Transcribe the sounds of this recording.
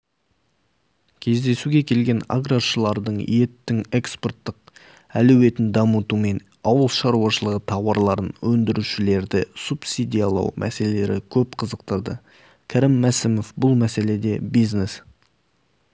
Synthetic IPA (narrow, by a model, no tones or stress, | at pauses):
kʲʰe̞zd̪e̞suɡʲe̞kʲʰe̞lɡʲe̞na̰ɡraʃəlˠɑɾd̪əɴḭje̞t̪ːɪŋe̞kspo̞rt̪ːəq̚ | ælɵwe̞t̪ɪnd̪ɑmət̪ume̞n | ɑwəlˠʃɑɾuɑʃəlˠəʁət̪ʰɑwɑɾlˠɑɾənwɵnd̪ɪɾuʃɪle̞ɾd̪ɪsupsid̪ʲijɑlˠɑ̰wmʔæ̰se̞lele̞ɾɪkʲʰɵp̚qʰəzəq̚t̪əɾd̪ə | kʲʰæɾiɪmːæsɪmo̞fbʊlˠmæse̞le̞d̪e̞bijznes